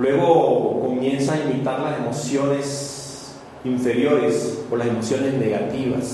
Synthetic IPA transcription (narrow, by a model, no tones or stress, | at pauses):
lwe̞ɣo̞ko̞mje̞nsaːimit̪aɾlase̞mo̞sjo̞ne̞s | iɱfe̞ɾjo̞ɾe̞solase̞mo̞sjo̞ne̞zne̞ɣat̪iβa̰s